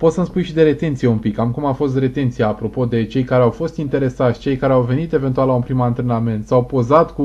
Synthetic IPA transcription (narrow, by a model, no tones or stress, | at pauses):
po̞t̪səmspujʃid̪e̞ɾe̞t̪e̞nt̪sije̞umpikamkumafo̞st̪re̞t̪e̞nt̪sijaːpɾo̞po̞d̪e̞t͡ʃe̞jkaɾeawfo̞st̪int̪e̞ɾe̞sat̪sʲt͡ʃe̞jkaɾeawve̞nit̪e̞ve̞nt̪ualaunpɾimant̪ɾe̞name̞nt̪sawpo̞zat̪ku